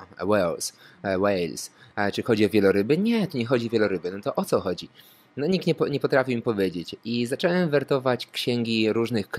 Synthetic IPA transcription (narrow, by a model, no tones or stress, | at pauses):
wɛlswɛjlst͡ʂɘxɔd͡ʑiɔvʲjɛlɔɾɘbɘɲɛt̪uɲɛxɔd͡ʑiɔvʲjɛlɔɾɘbɘnɔt̪ɔʔɔt̪sɔxɔd͡ʑi | nɔɲik̚t̪ɲɛpɔɲɛpɔt̪ɾafʲimʲipɔvʲjed͡ʑet͡ɕizat͡ʂɛwɛmvɛɾt̪ɔvat͡ɕkɕɛŋɡʲiɾuʐnɘxk